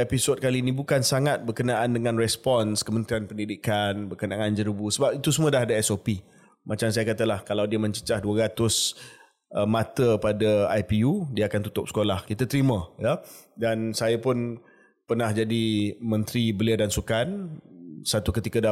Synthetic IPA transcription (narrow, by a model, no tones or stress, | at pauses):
episɔd̚kalinĩbukansaŋat̪̚bərkənaʔandəŋãnrɛspɔnskəmənt̪ɾianpəndidikanbərkənaːnd͡ʒəɾubusəbap̚it̪usumũədaɦdaɛsopi | mat͡ʃams̬ajakat̪alahkalawdiəmə̃ɲt͡ʃə̥t͡ʃahduəɾat̪ʊs | mat̪əpadəajpiudiəakant̪ut̪ʊp̚sə̥kolahkit̪at̪əɾimə̃jədansajapʊn | pərnahd͡ʒadimə̃nt̪ɾibəliadansukan | sat̪ukət̪ikada